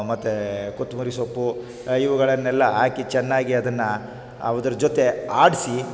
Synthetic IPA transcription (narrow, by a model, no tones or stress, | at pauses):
mɐt̪ːekot̪ːumuɾisopːu | iʋuɡɐɭɐnːɛlːɐɦaːkit͡ʃɛnːaːɡiɐd̪ɐnːɐ | ɐ̰ʋɐd̪ɐɾɐd͡ʒot̪e̞aːɽsi